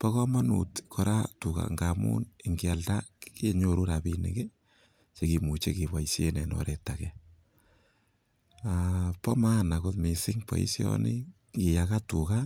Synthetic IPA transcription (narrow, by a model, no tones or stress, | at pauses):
pɔkɔmanṵtkʰɔɾatuka̰ŋɡamṵnɪŋɡɪaltakkeɲoɾuɾapinɪ̰ke | t͡ʃekimut͡ʃekibaisjenɛno̰ɾetakɛ | apɔmanakoðmisɪŋpɔ̰ḭsjɔ̰nɪ | kijakatuka